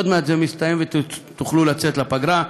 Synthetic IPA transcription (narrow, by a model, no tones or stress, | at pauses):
od̪meazemist̪ajemvet̪uχlulat͡set̪lapaɡɾa